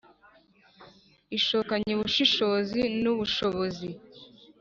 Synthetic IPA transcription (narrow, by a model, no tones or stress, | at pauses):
iʃoːkaɲeβuʃiʃo̞zinuβuʃo̞βozi